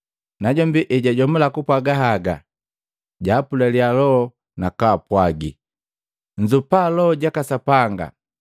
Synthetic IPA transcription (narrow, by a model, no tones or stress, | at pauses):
naɟɔmbiʔɛɟaɟɔmulakupwaɡaɦaɡa | ɟaːpulalialɔ | nakaːpwaɡi | ɲ̩d͡ʒupalɔɟakasapaŋɡa̰